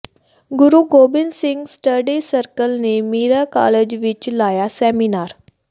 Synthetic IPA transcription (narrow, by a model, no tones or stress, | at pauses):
ɡuɾuɡobinsiŋɡsʈəɖisəɾkəlneːmiːɾaka̰led͡ʑʋit͡ʃlaːjasɛminaːɾ